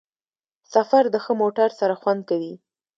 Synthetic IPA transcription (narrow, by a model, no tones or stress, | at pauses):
safaɾd̪əxəmoʈaɾsaɾaxwand̪̚kawi